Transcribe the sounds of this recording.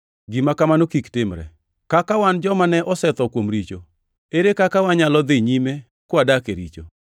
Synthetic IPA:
ɡimakamanokiktɪmɾɛ̰ | kakawand͡ʒɔmanɛʔɔsɛt̪ɔkwomɾit͡ʃo | eɾekakawaɲalɔd̪ɪɲime | kwadakeɾḭt͡ʃo̰

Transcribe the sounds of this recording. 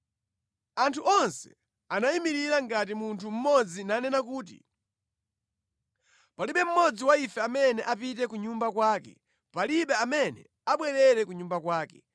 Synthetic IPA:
antʰuʔɔnsɛ̰ | anaimiɾiɾaŋɡatimuntʰum̩mɔd͡zinanɛnak̬uːt̬ḭ | paliɓɛm̩mɔd͡ziwaifɛamɛnɛʔapitɛkuɲumbakwaːkɛ̰ | paliɓɛamɛnɛ̰ | aɓwɛɾɛɾɛkuɲumbakwaːkɛ

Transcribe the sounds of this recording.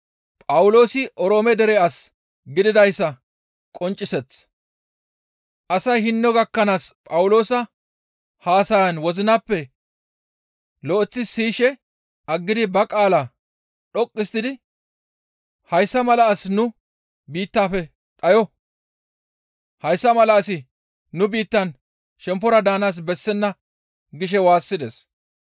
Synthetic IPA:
pʼɐwʊlo̞ːsɪʔɔɾo̞ːmɛd̪ɛɾɛas | ɡɪd̪ɪd̪ɐjsːɐ | kʼɔnt͡ʃʼːɪsɛt͡sː | ʔɐsɐjhɪnːɔɡɐkːɐnaːspʼɐwʊlo̞ːsɐ | haːsɐjɐnwɔzɪnapːɛ | lɔʔɔt͡sːɪsiːʃɛ | ɐɡːɪd̪ɪbɐkʼaːla | ɗɔkʼːɪst̪ɪd̪ɪ | hɐjsːɐmɐlɐːsnʊ | biːt̪ːaːfɛ | ᶑʼɐjɔ | hɐjsːɐmɐlɐːsɪ | nʊbiːt̪ːɐn | ʃɛmp̬ːɔɾɐd̪aːnaːs̬bɛsːɛnːɐ | ɡɪʃ̬ɛwaːsːɪd̪ɛs

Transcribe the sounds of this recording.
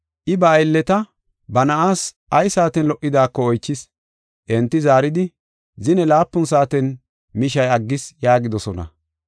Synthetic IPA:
ʔɪbɐːjlːɛt̪ɐ | bɐnɐʔaːs | ʔɐjsaːt̪ɛnlɔʔːɪd̪aːkːɔɔjt͡ʃːɪs | ʔɛnt̪ːɪzaːɾɪd̪ɪ | zɪnɛlaːpːʊnsaːt̪ɛn | mɪʃɐjɐɡːɪsjaːɡɪd̪ɔsɔnɐ̰

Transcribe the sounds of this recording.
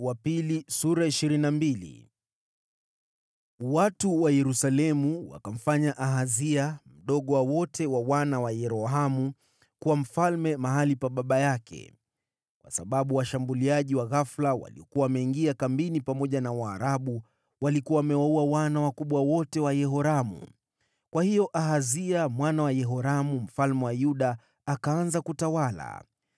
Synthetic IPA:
wapilisuɾaiʃiɾinambilḭ | watuwajɛɾusalɛmuwa̰kam̩faɲaʔaɦaziam̩ɗɔɠɔwawɔtʰɛwawanawajɛɾɔɦamu | kuwam̩falmɛmaɦalipaɓaɓajakʰɛ̰ | kwasaɓaɓuwaʃambuliaʄiwaɣaflawa̰lḭɔkuwaːmɛiŋɡiakambinipamɔʄanawaːɾaɓu | walikuwawːmɛwauwawanawakuɓwawɔtɛwajɛɦɔɾamṵ | kwahijɔʔaɦaziamwanawajɛɦɔɾamum̩falmɛwajuɗaː | kaanzakutawala̰

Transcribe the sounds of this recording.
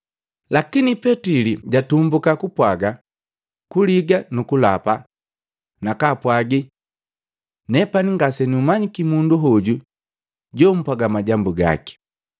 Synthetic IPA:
lakinipɛtiliɟatumbukakupwaɡa | kuliɡanukulapa | nakapwaɡi | nɛpaniŋɡasɛniumaɲikimunduɦɔɟu | ɟɔm̩pwaɡamaɟambuɡa̰ki̥

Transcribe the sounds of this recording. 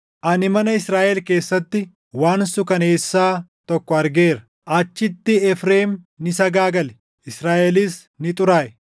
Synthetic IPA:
ʔɐnɪmɐnɐɪsɾaːʔɛlke̞ːsːɐt̪ːɪ | waːnsʊkɐne̞ːsːaːt̪ɔkːɔɐɾɡe̞ːɾɐ̥ | ʔaːt͡ʃːɪt̪ːɪɛfɾe̞ːm | nɪsɐɡaːɡɐlɛ̥ | ʔɪsɾaːʔɛliːs | nɪt̪ʼʊɾaːʔɛ

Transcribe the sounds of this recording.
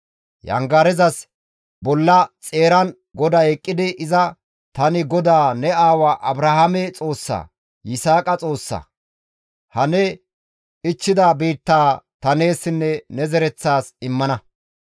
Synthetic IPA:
jɐ̰ŋɡaːɾɛzɐs | bɔlːɐt͡sʼe̞ːɾɐn | ɡɔd̪aɛkʼːɪd̪ɪʔɪzɐ | t̪ɐnɪɡɔd̪aːnɛaːwaːʔɐbɾɐhamɛt͡sʼo̞ːsːa̰ː | jɪsaːkʼɐt͡sʼo̞ːsːa̰ː | hɐnɛ | ɪt͡ʃːɪd̪ɐbiːt̪ːaːt̪ɐne̞ːsːɪnːɛnɛzɛɾɛt͡sːaːsɪmːɐnɐ

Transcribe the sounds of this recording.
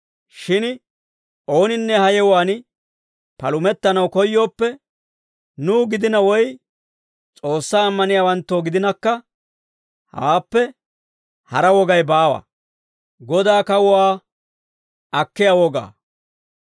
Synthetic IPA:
ʃɪn | o̞ːnɪnːɛhɐjɛwaːn | pɐlʊmɛt̪ːɐnɐwkɔjːo̞ːpːɛ | nuːɡɪd̪ɪnɐwɔj | t͡sʼo̞ːsːaːmːɐnɪjaːwɐnt̪ːoːɡɪd̪ɪnɐkːɐ | ha̰ːpːɛ | hɐɾɐwɔɡɐjbaːwɐ̰ | ɡɔd̪aːkɐwʊwaː | ɐkːɪjawɔɡa̰ː

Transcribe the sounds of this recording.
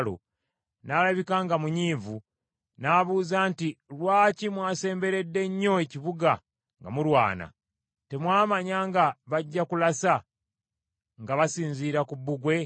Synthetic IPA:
lo̰ | nalaβikaŋɡamuɲiːvu | naβuːzaːntilwaːcimwaːse̞ːmbe̞ɾe̞dːe̞ɲːo̞eciβuɡa | ŋɡa̰muɾwa̰ːna̰ | te̞mwaːmaɲaːŋɡaβaɟːakulasa | ŋɡaβasiːnziːɾakubːuɡwe̞

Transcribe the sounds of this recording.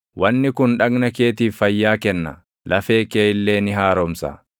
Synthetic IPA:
wɐnːɪkʊnᶑɐɡnɐke̞ːt̪iːfːɐjːaːkɛnːɐ̰ | lɐfeːkeːɪlːe̞ːnɪɦaːɾɔmsa̰ː

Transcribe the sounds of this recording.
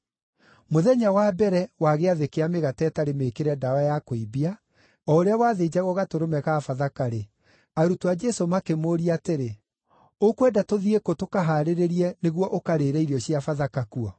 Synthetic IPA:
moðɛɲawaːbɛɾɛwaɣeaðekeameɣatɛːtaɾemeːkeɾɛdaajakoibia | ɔoɾeawaðed͡ʑaɣɔɣatoɾomɛɣafaðakaɾe | aɾutoad͡ʒɛsomakemoːɾiateɾe | okwɛdatoðiekotokaɦaɾeɾeɾiɛneɣwɔʔokaɾeɾɛiɾiɔɕiafaðakakuɔ

